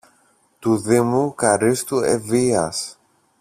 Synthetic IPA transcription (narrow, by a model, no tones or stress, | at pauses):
t̪uðimukɐɾist̪uḛviɐ̰s